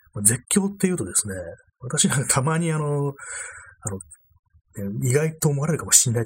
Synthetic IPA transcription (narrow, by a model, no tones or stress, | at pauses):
mad͡ze̞kʲːo̞ːt̪ːe̞jɯ̟ːt̪o̞d̪e̞sɨne̞ | βat̪aɕinãŋkat̪ʰamaɲ̟iano̞ | ano̞ | neiɡait̪o̞ːmo̞aɾe̞ɾɯ̟kamo̞̥ɕĩnːai